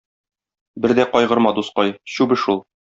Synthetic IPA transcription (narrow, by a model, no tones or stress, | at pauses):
bɘɾd̪æqɒjʁɤ̆ɾmɑd̪usqɑjɕʉbɘ̆ʃulˠ